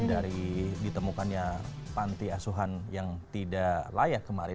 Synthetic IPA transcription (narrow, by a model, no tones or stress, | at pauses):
daɾidit̪əmukanɲapant̪iasuɦanjaŋt̪idalajakːəmaɾɪ